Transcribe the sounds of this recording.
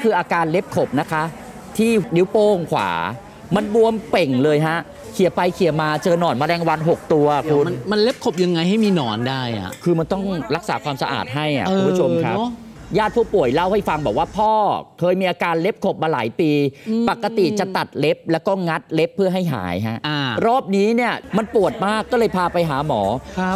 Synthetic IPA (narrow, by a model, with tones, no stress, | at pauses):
kʰɯː˧ʔaː˧kaː˧nle˦˥p̚kʰo˨˩p̚na˦˥kʰa˦˥ʔ | t̪ʰiː˥˩ni˨˦˥wpoː˥˩ŋkʰwa̰ː˩˦ | ma˧nbu˧əmpe˨˩ŋlɤː˧jɦa˦˥ʔ | kʰi˨˩˦pa˧jkʰi˨˩˦maː˧t͡ɕɤː˧nɔː˨˩nmaː˧ɾɛː˧ŋwa˧nɦo˨˩k̚t̪u˧ɐkʰu˧m˧ma˧nle˦˥p̚kʰo˨˩p̚ja˧ŋːa˧jɦa˥˩jmiː˧nɔː˩˦ndaː˥˩jʔa̰˨˩kʰɯː˧ma˧nt̪ɔ˥˩ŋɾa˦˥k̚sa̰ː˩˦kʰwaː˧msa˧ʔa̰ː˨˩t̪̚ɦa˥˩jʔa̰˨˩kʔukːmpʰːu˥t͡ɕʰo˧mkʰɾa˦˥ | jaː˥˩t̪̚pʰuː˥˩pu˨˩əjla˥˩wha˥˩jfa˧ŋbɔː˨˩k̚waː˥˩pʰɔː˥˩kʰɤː˧jmiː˧ʔaː˧kaː˧nle˦˥p̚kʰo˨˩p̚maː˧la̰ː˩˦jpiː˧pa˨˩kːa˧t̪i˨˩t͡ɕa˨˩t̪a˨˩t̪̚le˦˥p̚lɛː˦˥wkɔː˥˩ŋa˦˥t̪̚le˦˥pʰːɯ˥˩ɐɦa˥˩jɦa̰ː˩˦jɦa˦˥ʔʔa˧ɾɔː˥˩p̚niː˦˥ni˥˩ɐma˧npu˨˩ət̪̚maː˥˩kːɔː˥˩lɤː˧jpʰaː˧pa˧jɦaː˩˦mɔː˩˦